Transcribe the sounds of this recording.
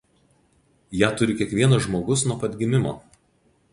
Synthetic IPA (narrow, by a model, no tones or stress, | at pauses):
jæːt̪ʊɾʲɪkʲiɛkʋʲiɛnɐʒmoːɡʊsnuɔpɐd̪ʲɡʲɪmʲɪmo̰ː